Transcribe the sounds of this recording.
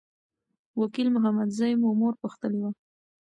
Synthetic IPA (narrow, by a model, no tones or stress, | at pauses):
wakilmʊɦamad̪zajmomoɾpəxt̪əlewa